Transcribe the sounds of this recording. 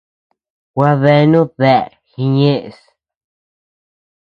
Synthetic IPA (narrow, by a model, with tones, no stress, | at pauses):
wa˧βe˧nũ˦ðe˦˨ɾxi˧ɲẽ˦ʔs